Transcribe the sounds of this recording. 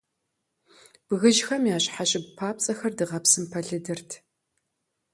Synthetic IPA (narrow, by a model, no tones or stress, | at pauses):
b̥ɣɨʒxɐmjaːɕħaɕʼɪbpʰaːpt͡sʼɐxɐrdɨʁɐpsɨmpʰɐɮɨdɨrtʰ